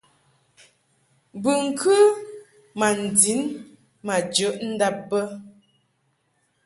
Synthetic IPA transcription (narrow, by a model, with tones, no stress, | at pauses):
bɨ˨ŋ̩˨kʰʉ˦ | ma˨n̩˨di˨˦n | ma˨d͡ʒə˨˦ʔn̩˦da˦p̚bə˦